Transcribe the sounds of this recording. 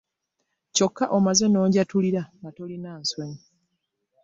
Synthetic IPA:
co̞kːaʔo̞maze̞no̞ːɲɟatuliɾaŋɡatolinaːnsweɲi

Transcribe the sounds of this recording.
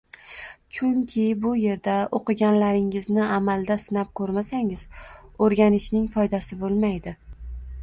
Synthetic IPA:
t͡ʃʰʊŋkʲʰɪbʊje̞ɾd̪aoqɨɡʲanlaɾɪŋɪznɪamalˠd̪asɪnap̚kʰɵɾmasaŋɪz̥oɾɡʲanɪʃnɪŋfɒjd̪asɪbolˠmajd̪ɪ

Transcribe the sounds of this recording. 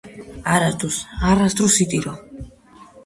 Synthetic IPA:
aɾat̪ʰʼusarast̪ʼɾusit̪ʼiɾɔ

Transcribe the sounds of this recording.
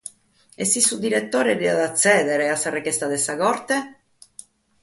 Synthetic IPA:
ɛsːisːud̪iɾet̪ːoːɾeɾiad̪at̪sːɛːd̪eɾeasːarːekɛst̪ad̪esaɡɔɾt̪e

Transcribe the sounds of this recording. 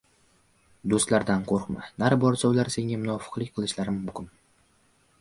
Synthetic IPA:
d̪ost̪laɾd̪anqʰoɾqma̰naɾbɒɾsɒlaɾse̞ŋʲamʊnɒfɨ̥qlˠɪkʲqʰɨlˠɪʃlaɾɪmʊkʲʊn

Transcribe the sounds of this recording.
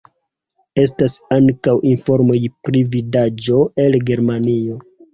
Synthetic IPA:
e̞s̬tasaŋkawʔinfo̞ɾmojpɾividad͡ʒo̞elɡe̞ɾmanio̞

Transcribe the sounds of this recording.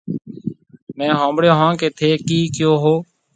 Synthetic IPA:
mɛ̃ːɦõːmbɽeːɦãːkeːt̪ʰeːkiːkjoːɦoː

